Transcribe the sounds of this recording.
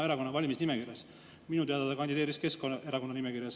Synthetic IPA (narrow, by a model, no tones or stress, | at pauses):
e̞ɾɑko̞nːɑvɑlʲimisnimekirjɑs | minut̪e̞ɑd̪ɑd̪ekɑnd̪id̪eːɾiske̞skonɑʔe̞ɾɑko̞nːɑnimekiɾjɑs